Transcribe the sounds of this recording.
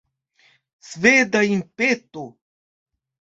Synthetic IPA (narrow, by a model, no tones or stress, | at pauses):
sveːd̪aimpet̪o